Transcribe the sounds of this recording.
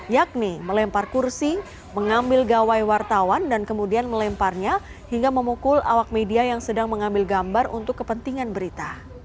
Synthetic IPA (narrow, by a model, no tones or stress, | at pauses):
jak̚niməlɛmparkursi | məŋambɪlɡawajwart̪awandankəmudianməlɛmparɲa | hiŋɡaməmukʊla̰wak̚mediajaŋsədaŋməŋambɪlɡambarṵnt̪ʊkːəpənt̪iŋanbəɾit̪a